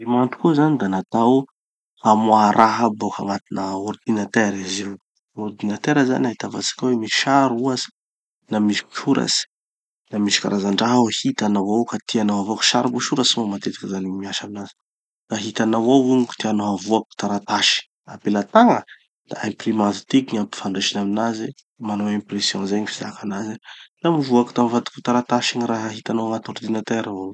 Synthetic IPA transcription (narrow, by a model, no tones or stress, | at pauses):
imant̪u̥kuzanid̪anat̪aw | hamwaɾʔaɦəboka̰mat̪inəord̪inat̪eɾiziw | ord̪inat̪eɾaza̰naɦit̪ava̰t͡sḁkawemi̥ʃaɾuazi̥ | namiʃi̥ku̥ʃuɾa̰si̥ | namiʃi̥kʲa̰ɾazaɳɖ͡ʐaɦuhit̪anawawkat̪ianoɦavuaku̥ʃaɾibuʃuɾasimamat̪et̪ḁkazanimiaʃaminazi̥ | d̪aɦit̪anawawuɲiku̥t̪ianoɦavuaku̥t̪aɾat̪aʃi̥ | apelat̪aŋə | d̪̥a̰ẽprimazi̥t̪ikiɲampi̥faɳɖ͡ʐeʃinaminaze | manowẽmpresjɔ̃zeɲifiza̰kanazelamivuaku̥t̪amivat̪u̥ku̥t̪aɾat̪aʃiniraɦaɦit̪anaaŋat̪oɾd̪inat̪eɾao